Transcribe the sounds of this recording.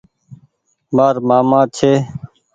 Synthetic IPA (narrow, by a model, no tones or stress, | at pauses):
maːɾmaːmãːt͡ʃʰeː